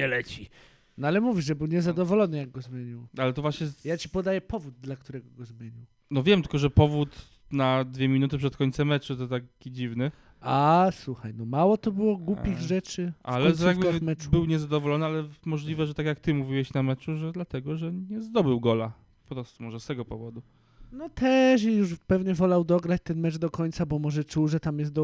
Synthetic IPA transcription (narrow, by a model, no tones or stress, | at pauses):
ɲɛlɛt͡ɕi | nɔalɛmuvʲiʐɛbɘwɲɛzad̪ɔvɔlɔnɘjaɡɡɔzmʲjeɲiwalɛt̪ɔvwaɕɲɛjat͡ɕi̥pɔd̪ajɛpɔvud̪̚ːlak̚t̪uɾɛɡɔɡɔzmʲjeɲiw | nɔvʲjɛmt̪ɘ̥lkɔʐɛpɔvut̪ | nad̪vʲjemʲinut̪̬ɘpʂɛt̪kɔɲʲt̪sɛmːɛt͡ʂut̪ɔt̪akkʲid͡ʑivnɘ | aswuxajnɔmawɔt̪ɔbɘwɔɡwupʲiɣʐɛt͡ʂɘʔalɛɔaɡbamɛt͡ʂu̥bɘwɲɛzad̪ɔvɔlɔnɘalɛmɔʐlʲivɛʐɛt̪akʲjak̚t̪ɘmuvʲiwɛɕnamɛt͡ʂuʐɛd̪lat̪ɛɡɔʐɛɲɛzd̪ɔbɘwɡɔla | pɾɔst̪umɔʐɛst̪ɛɡɔpɔvɔd̪u | nɔt̪ʰɛʂ̬ijuʐpɛvɲɛvɔlawd̪ɔɡɾat͡ɕt̪ɛnmɛt͡ʂd̪ɔkɔɲt̪sabɔmɔʐɛt͡ʂuwʐɛt̪amjɛst̪d̪ɔ